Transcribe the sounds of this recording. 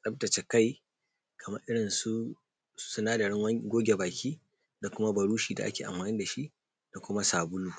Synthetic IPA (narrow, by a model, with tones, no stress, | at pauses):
sʼɐ˦b̚dɐ˨t͡ʃe˨ka˦j | kʰɐ˨mɐ˦rʔɪ˦ɽɪ˨nsu̥˦ | sʊ˦naː˦da˨ɽɪ˦ŋwɐ˦ɡʷoː˦ɡʲe˨baː˨kʲiː˦ | da˨kʷʊ˦ma˦bɐ˨ɽuː˦ʃiː˨da̰˨ʔa̰˦kʲeː˨ʔa̰˨maː˨nɪ˦nda˨ʃi˦ | d̥a˨kʷʊ˦ma˦saː˨bʊ˦luː˦